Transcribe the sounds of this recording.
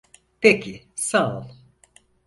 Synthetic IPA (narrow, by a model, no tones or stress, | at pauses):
pʰecʰisalˠ